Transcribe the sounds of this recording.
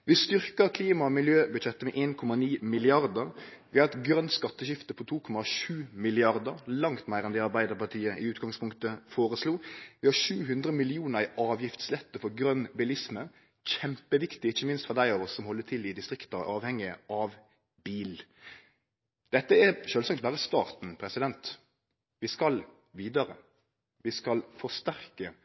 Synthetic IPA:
ʋɪst̪ʏɾkəɾkʰliːmɑɔmɪljøːbʉd̪t͡ʃɛt̪ːəmɛʔeːnkʰɔmɑniːmɪlɪɑɾd̪əɾʋɪɑɛt̪ɡɾœnt̪skɑt̪ːəɕɪft̪əpʰɔt̪ʰuːkʰɔmɑʃʉːmɪlɪɑɾd̪əɾlɑŋt̪mæɪɾɛnd̪ɛːɑɾbæɪd̪əʁpɑʈ̪ʰiːəʔɪ̰ʉːt̪ɡɑŋspʰʊŋkt̪əfoːɾəsluːʋɪhɑʃʉːɦʉnd̪ɾəmɪlɪuːnəɾɪʔɑːʋjɪft̪slɛt̪ːəfɔɾɡɾœnbɪlɪsmə | çɛmpəʋɪkt̪ɪɪçːəmɪnst̪fɔʁd̪æɪɑʋɔsːɔmhɔlːət̪ʰɪlɪd̪ɪst̪ʁɪkt̪ɑɑːʋhɛŋːɪəʔɑʋ | biːl | d̪̥ɛt̪ːəæʃøːlsɑŋkt̪̚bæːɾəst̪ɑːʁt̪n̩pʰɾɛsɪd̪ɛnt̪ | ʋɪskɑl | ʋiːd̪ɑɾə̰ | ʋɪskɑlfɔst̪æʁkə

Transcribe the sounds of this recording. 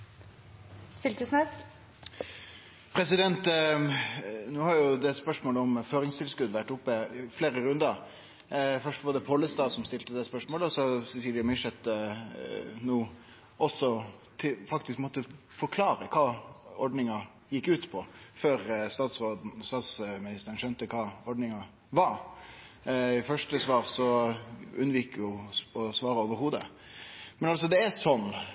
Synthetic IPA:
fʏlkʉsnɛs | pʰɾɛsɪd̪ɛnt̪ | nuːhɑɾjʊd̪ɛspœʂmoːləɔmføːɾɪŋst̪ʰɪlskʉd̪ʋæʈːʊpːəɪfleːɾəɾʉnd̪əɾ | fœʂtʋɑɖ̪ɛpʰɔlːəst̪ɑːsɔmst̪ɪlt̪əd̪ɛspœʂmoːləɔsɔsɛsiːljəmɪʂɛt̪ | nuː | ʔɔsːɔt̪ʰɪfɑkt̪ɪskmɔt̪ːəfɔɾkʰlɑːɾəkʰɑːɔɾɖnɪŋɑ | jɪkːʉːt̪pʰɔføːɾst̪ɑːt̪sʁoːd̪̩st̪ɑːt̪smɪnɪst̪əɾənʂœnt̪əkʰɑːɔɖnɪŋɑ | ʋɑɾ | ɪfœʂʈəsʋɑːɾsɔ | ʉnʋiːkjʊɔsʋɑːɾəoːʋəɾhuːd̪ə̰ | mɛnɑls̬ɔd̪ɛæsɔnː

